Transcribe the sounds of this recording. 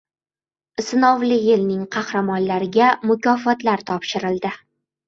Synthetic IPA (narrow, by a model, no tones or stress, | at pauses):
ɪsɪnɒvlɪjɪlnɪŋqʰɑhɾamɒnlaɾɪɡʲamʊkʲɒfɒt̪laɾt̪ʰɒpʃɪɾɪld̪ɪ